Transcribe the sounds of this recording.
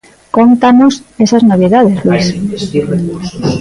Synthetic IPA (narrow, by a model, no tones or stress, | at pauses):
kont̪anosesaznoβ̞iðaðezlis